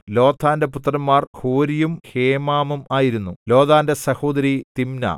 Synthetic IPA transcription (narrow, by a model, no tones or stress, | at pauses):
lo̞ːt̪ʰːaːnde̞put̪ːrɐnːaːrkʰoːɾijumheːmaːmumaːjiɾunːulo̞ːd̪aːnde̞sɐhoːd̪ɐɾit̪imnɐ̰